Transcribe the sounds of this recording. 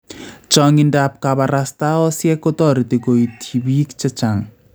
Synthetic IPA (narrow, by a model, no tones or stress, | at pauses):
t͡ʃɔŋindap̚kabaɾast̪aɔsjɛkot̪ɔɾit̪iɡoit̪ʰibiːkt͡ʃɛt͡ʃaŋ